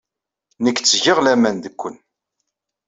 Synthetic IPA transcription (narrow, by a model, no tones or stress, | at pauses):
nəkːt͡sːəʝəʁlæmænðəkʷːən